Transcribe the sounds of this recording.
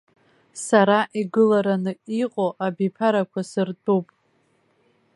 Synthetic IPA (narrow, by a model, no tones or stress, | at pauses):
saɾaʔiɡɨlaɾanɨiqʼoʔabipʰaɾakʷʰasɨrtʼupʼ